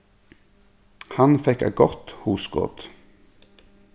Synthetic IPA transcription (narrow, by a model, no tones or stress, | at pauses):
hɑnfɛkæ̰ɡɔʁt̪huːskɔ̰t̪